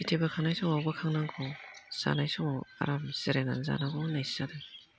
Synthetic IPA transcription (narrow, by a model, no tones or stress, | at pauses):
itʰebakʰaŋnajsɔŋawbakʰaŋnaŋkʰɔsa̰najsɔŋawa̰ɾamseɾenanza̰naɡɔnajszadɯ